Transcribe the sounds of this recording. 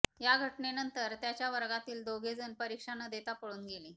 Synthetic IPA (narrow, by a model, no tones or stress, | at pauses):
jaɡʱəʈnenənt̪əɾt̪jat͡ɕjaʋəɾɡat̪iːld̪oɡʱed͡zənpəɾikʂanəd̪et̪apəɭuːnɡeliː